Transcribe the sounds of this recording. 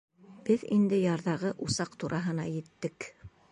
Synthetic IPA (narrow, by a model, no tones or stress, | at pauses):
b̥ɘðḭnd̪ɘjɑɾðɑʁɤʔusɑqt̪uɾʔɑɦɤ̆nɑjɘ̆t̪ːɘk